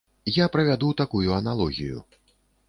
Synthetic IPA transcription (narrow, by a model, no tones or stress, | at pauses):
japɾɐvʲad̪ut̪akujuɐnalˠɔɣʲḭjṵ